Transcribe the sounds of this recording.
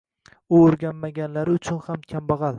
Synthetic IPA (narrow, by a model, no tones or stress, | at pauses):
ʊoɾɡʲanmaɡʲanlaɾɪʊt͡ʃʰʊnhamkʲʰambɑʁɑl